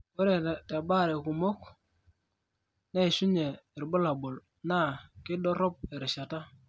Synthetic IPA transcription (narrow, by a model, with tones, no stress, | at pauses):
wo˦ɾe˦˨ta˨ba˦˨ɾe˨ku˨mo˦k | na˦i˨su˦ɲe˨ɾbɔ˦la˨bʊ˨l | na˦˨kɪ˦dɔ˦ɾɔ˦p̚e˨ɾɪ˨ʃa˨ta˦